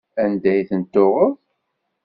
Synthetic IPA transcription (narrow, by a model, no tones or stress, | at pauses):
ænd̪æjθənt̪ːoʁəð